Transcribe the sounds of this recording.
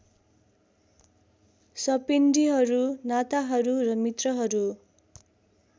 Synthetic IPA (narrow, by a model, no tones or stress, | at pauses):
sʌpinɖiɦʌɾunat̪aɦʌɾurʌmit̪rʌɦʌɾu